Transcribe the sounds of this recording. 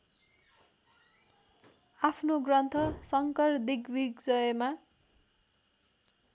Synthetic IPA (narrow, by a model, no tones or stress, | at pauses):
apʰnoɡrʌnt̪ʰʌsʌŋkʌrd̪iɡbiɡd͡zʌjma